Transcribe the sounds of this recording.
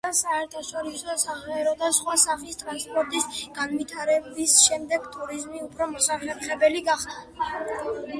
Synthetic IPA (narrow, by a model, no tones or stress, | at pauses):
asaɛɾt̪ʰaʃɔɾisɔsaʁɛɾɔd̪asχwasaχist̪ʼɾanspʼɔɾt̪ʼisɡ̥anvit̪ʰaɾɛbisʃɛmd̪ɛɡt̪ʼuɾizmiupʰɾɔmɔsaχɛɾχɛbɛliɡaχd̪a